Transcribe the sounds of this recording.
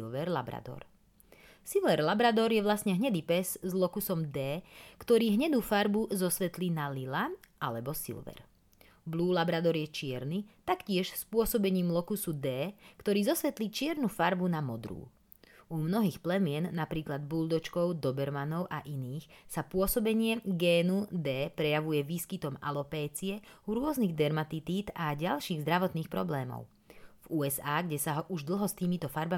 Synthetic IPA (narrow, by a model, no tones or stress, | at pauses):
lʋɛɾla̰bɾa̰d̪ɔ̰ɾ | silʋɛɾlabɾad̪ɔɾjɛʋlasɲɛɦɲɛd̪ipɛzzlɔkusɔmd̪ɛːkt̪ɔɾiːɦɲɛd̪uːfaɾbuzɔsʋɛt̪linalila | alɛbɔsḭlʋɛ̰ɾ | bluːlabɾad̪ɔɾjɛt͡ʃɪɛɾnit̪akcɪɛʃspʊɔsɔbɛɲiːmlɔkusud̪ɛːkt̪ɔɾiːzɔsʋɛt̪lit͡ʃɪɛɾnufaɾbunamɔd̪ɾṵː | umnɔɦiːxplɛmɪɛnːapɾiːklad̪̚buld̪ɔt͡ʃkɔʊd̪ɔbɛɾmanɔʊʔaʔiniːxsapʊɔsɔbɛɲɪɛɡɛːnud̪ɛːpɾɛjaʋujɛʋiːskit̪ɔma̰lɔpɛːt͡siɛuɾʊɔzniɣd̪ɛɾmat̪it̪iːt̪aɟalʃiːɣzd̪ɾaʋɔt̪niːxpɾɔblɛːmɔ̰ʊ | v̥uːɛzaːɡɟɛsaɦɔʔuʒd̪l̩ˠɦɔst̪iːmit̪ɔfaɾba